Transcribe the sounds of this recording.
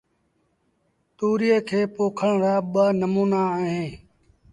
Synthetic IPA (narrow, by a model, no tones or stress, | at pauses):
t̪uːɾieːkʰeːpoːkʰəɳɾaːɓəːnəmuːnaːɦẽː